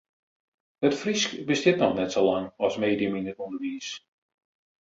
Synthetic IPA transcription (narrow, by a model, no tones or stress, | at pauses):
ətfriskbəstɪtnɔxnɛtsoːlaŋɔsmeːdijəminətundərʋiːs